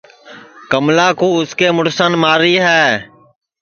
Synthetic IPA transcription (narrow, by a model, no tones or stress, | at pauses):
kəmlaːkuːʊskeːmʊɽsənmaːɾiːɦɛː